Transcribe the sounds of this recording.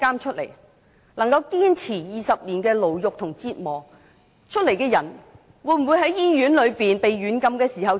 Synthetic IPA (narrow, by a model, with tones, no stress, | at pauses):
kaː˥mt͡ʃʰɵ˥t̚lḛ˨˩j | lɐ˨˩ŋkɐ˧wkiː˥nt͡sʰiː˨˩jiː˨sɐ˨p̚liː˨˩nkɛː˧lo˨˩wjʊ˨k̚t̪ʰʊ˨˩ŋt͡siː˧t̚mɔː˨˩ | t͡ʃʰɵ˥t̚le˨˩jkɛː˧jɐ˨˩n | wuː˨˧jm̩˨˩wuː˨˧jɦɐ˨˥jːiː˥jyː˨˥nlɵ˨˧ɥpiː˨npe˨jːyː˨˥nkɐ˧mkɛː˧siː˨˩ɦɐ˨w